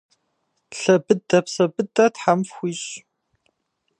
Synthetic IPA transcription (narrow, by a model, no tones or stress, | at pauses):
ɬɐbɨdɐpsɐbɨdɐtħamfxʷiːɕ